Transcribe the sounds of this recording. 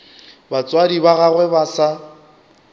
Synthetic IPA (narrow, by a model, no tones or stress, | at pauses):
bat͡sʼwadibaɣaɣwɛbasa